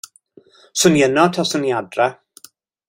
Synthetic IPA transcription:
sənjənɔtʰɔsənjadra

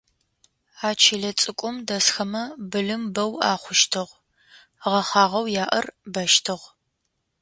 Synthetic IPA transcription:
aːt͡ʃʰɪɮɐt͡sʼɨkʷʼʊmdɐsxɐmɐbɨlɨmbɐwa̰ːχʷʊʃtʰɨʁ | ʁɐχɑːʁɐwjaːʔɐrbɐʃtʰɨʁ

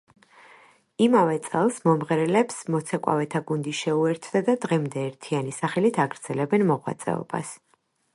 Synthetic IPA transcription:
imavɛt̪sʼɛlˠsmɔmʁɛɾɛlɛpsmɔt̪sʰɛkʼwa̰vɛt̪ʰaɡund̪iʃɛuɛɾt̪ʰd̪ad̪ad̪ʁɛmd̪ɛːɾt̪ʰianisaχɛlit̪ʰaɡɾd̪z̥ɛlɛbɛnmɔʁwa̰t̪sʼɛ̰ɔ̰ba̰s

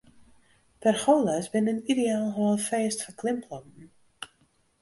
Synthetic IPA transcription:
tɛrχoːlasbɪnənideaːlˠɦəʋɔlˠfeːstfəkʰlɪmpʰlˠɔmn̩

